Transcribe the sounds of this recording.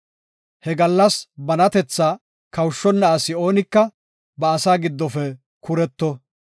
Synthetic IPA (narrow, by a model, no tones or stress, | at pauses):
hɛɡɐlːɐsbɐnɐt̪ɛt͡sːaː | kɐwʃːɔnːɐːsɪo̞ːnɪkːɐ | bɐːsaːɡɪd̪ːɔfɛ | kʊɾɛt̪ːɔ